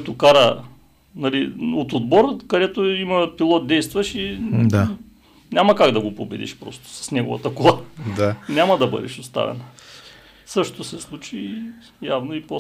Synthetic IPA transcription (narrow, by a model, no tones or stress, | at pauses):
t̪okaɾə | nɐliot̪od̪bɔɾkɐd̪ɛt̪oimɐpilˠɔt̪̚d̪ɛjst̪vɐʃid̪a | nʲamɐkaɡd̪ɐɡopobɛd̪ḭʃpɾɔ̰st̪o̥sɐ̥snɛɡo̰vɐ̰t̪ɐkolˠad̪anʲamɐd̪ɐbɤ̰d̪ɛ̰ʃost̪a̰vɛ̰nə | sɤʃt̪osɛslˠut͡ʃi | javnoipo